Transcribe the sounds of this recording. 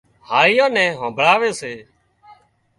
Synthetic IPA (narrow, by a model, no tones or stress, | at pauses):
haːlɪjãːnɛ̃ːɦãːbʱɭaːʋeːseː